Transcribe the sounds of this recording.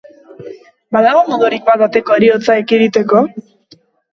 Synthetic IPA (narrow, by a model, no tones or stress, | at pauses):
baðaɣ̞o̞moðuɾikbaðat̪e̞koeɾio̞t͡saekiɾit̪e̞ko̞